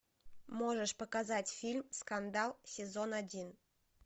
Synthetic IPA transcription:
moʒəʃpəkazatʲfʲilʲmskand̪ɑlˠsʲɪzonadʲin

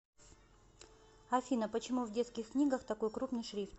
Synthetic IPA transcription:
ɐfʲinəpət͡ɕɪmuvdʲe̞t̪skʲɪxknʲiɡəxt̪ɐko̞jkɾupnɨjʂɾʲift̪

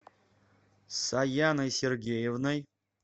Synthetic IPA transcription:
sajanajserɡʲejevnaj

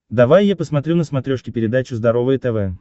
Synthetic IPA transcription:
d̪ɐvajːapəsmɐt̪ɾʲunəsmɐt̪ɾʲo̞ʂkʲɪpʲɪɾʲɪd̪at͡ɕʊzd̪ɐɾo̞vəjət̪ɛvɛ

